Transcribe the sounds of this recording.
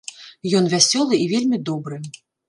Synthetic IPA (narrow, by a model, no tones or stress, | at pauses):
jɔnvʲasʲɔlˠɨivʲelʲmʲid̪ɔbɾɨ